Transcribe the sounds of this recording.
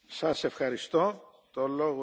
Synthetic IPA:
sɐse̞fxɐɾist̪o̞ | t̪o̞lo̞ɣo

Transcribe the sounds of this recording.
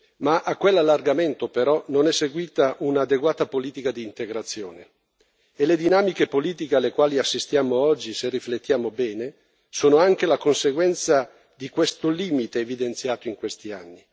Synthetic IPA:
maʔakːwelːalːarɡament̪opeɾɔnonɛsːeɡwiːt̪aʔunaːd̪eɡwaːt̪apoliːt̪ikad̪iːnt̪eɡɾat̪sːjoːne | eled̪inaːmikepoliːt̪ikealːekwaːliasːist̪jaːmoɔd͡ʒːiserːiflet̪ːjaːmobɛːne | soːnoaŋk̟elakonseɡwɛnt̪sa | d̪ikwest̪oliːmit̪eːvid̪ent̪sjaːt̪oiŋkwest̪ianːi

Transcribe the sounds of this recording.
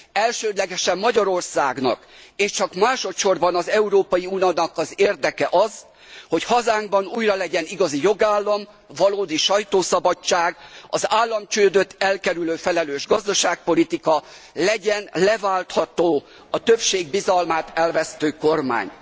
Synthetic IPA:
ɛlʃøːd̪lɛɡɛʃɛmːɒɟɒɾo̞rsaːɡnɒ̰k | eːʃt͡ʃɒkmaːʃo̞t̪ʃo̞rbɒnɒzɛuɾoːpɒjiunonɒkɒzeːrd̪ɛkɛʔɒz | ho̞chɒzaːŋɡbɒnuːjrɒlɛɟɛniɡɒzijo̞ɡaːlːɒm | vɒloːd̪iʃɒjt̪oːsɒbɒt͡ʃːaːɡɒzaːlːɒmt͡ʃøːd̪øt̪ːɛlkɛɾyløːfɛlɛløːʒɡɒzd̪ɒʃaːk̚po̞lit̪ikɒlɛɟɛnlɛvaːlt̪hɒt̪oː | ɒt̪øpʃeːɡbizɒlmaːt̪ɛlvɛst̪øːko̞rma̰ːɲ

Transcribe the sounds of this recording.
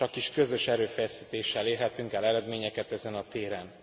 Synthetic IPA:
ɒkiʃkø̞zø̞ʃɛɾøːfɛsiːt̪eːʃːɛleːrɦɛt̪yŋkɛlɛɾɛd̪meːɲɛkɛt̪ɛzɛnɒt̪eːɾɛn

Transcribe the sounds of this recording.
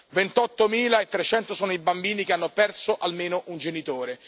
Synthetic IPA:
vent̪ɔt̪ːomiːlaet̪ːɾet͡ʃɛnt̪osoːnoibambiːnikeanːopɛrsoʔalmeːnoʔund͡ʒenit̪oːɾe

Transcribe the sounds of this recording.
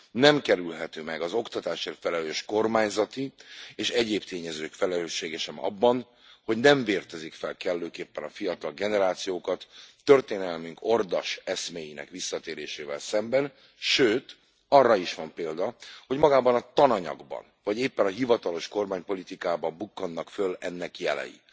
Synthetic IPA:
nɛmkɛɾylɦɛt̪øːmɛɡɒzo̞kt̪ɒt̪aːʃeːrt̪fɛlɛløːʃko̞rmaːɲzɒt̪ieːʃɛɟeːpt̪eːɲɛzøːkfɛlɛløːʃːeːɡɛʃɛmɒ̰bːɒn | ho̞ɟnɛɱveːrt̪ɛzikfɛlkɛlːøːkeːpːɛnɒfijɒt̪ɒlɡɛnɛɾaːt̪sijoːkɒt̪ːørt̪eːnɛlmyŋko̞rd̪ɒʃɛsmeːjinɛ̰kʋisːɒt̪eːɾeːʃeːvɛ̰lsɛmbɛn | ʃøːt̪ | ɒrːɒiʃʋɒmpeːld̪ɒho̞ɟmɒɡaːbɒnɒt̪ɒnɒɲɒ̰ɡbɒ̰nvɒɟeːpːɛnɒɦivɒt̪ɒlo̞ʃko̞rmaːɲpo̞lit̪ikaːbɒmbukːɒnːɒkfølɛnːɛkjɛlɛ̰jḭ

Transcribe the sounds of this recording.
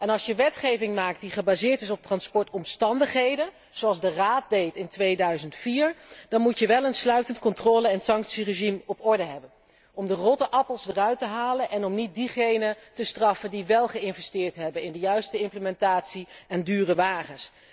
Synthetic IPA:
ɛnɑlˠsjəʋɛtχejvɪŋmaːk̚t̚diχəbaːzɪːɹtɪsɔp̚trɑnspɔɹtɔmstɑndəχɦejdən | z̥oɑlˠzdəraːt̚dejtɪntʋejdœɥzəntfiːɹd̥ɑnmutjəʋɛlˠənslœɥtəntkɔntrɔːləɛnsɑŋksireʒimɔpɔɹdəɦɛbən | ɔmdərɔtəʔɑpəlˠzdərœɥtəɦaːlənʔɛnɔmnit̚diχejnətəstrɑfəndiʋɛlˠχəɪnvɛstɪːɹtɦɛbənɪndəjœɥstəɪmpləmɛntaːtsiɛndyːrəʋaːχəns

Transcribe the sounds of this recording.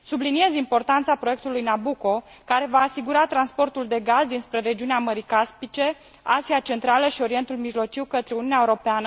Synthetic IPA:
sublinie̞zimpo̞rt̪ant̪sapɾoje̞k̚t̪ulujnabuko̞ | kaɾe̞vaːsiɡuɾat̪ɾanspo̞rt̪uld̪e̞ɡazd̪inspɾe̞ɾe̞d͡ʒiuneaməɾikaspit͡ʃe̞ | aziat͡ʃe̞nt̪ɾaləʃio̞ɾie̞nt̪ulmiʒlo̞t͡ʃiwkət̪ɾeununeaeuɾo̞peanə

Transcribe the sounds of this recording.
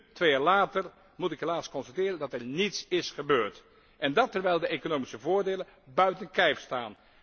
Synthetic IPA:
tʋejaːɹlaːtəɹ | mutɪkɦelaːskɔnstatɪːrəndɑtɛɹnitsɪsχəbøːɹt | ʔɛndɑtːɛɹʋɛjlˠdəʔejkonowmisəvʊːɹdejləbœɥtənkɛjfstaːn

